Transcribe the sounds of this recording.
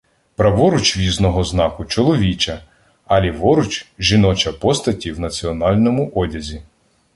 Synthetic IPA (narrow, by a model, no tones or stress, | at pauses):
pɾɐʋɔɾʊt͡ʃʋʲiznɔɦɔznɑkʊt͡ʃɔlˠɔʋʲit͡ʃɐ | ɐlʲiʋɔɾʊt͡ʃʒinɔt͡ʃɐpɔst̪ɐtʲiwnɐt͡sʲiɔnɑlʲnɔmʊʔɔdʲɐzʲi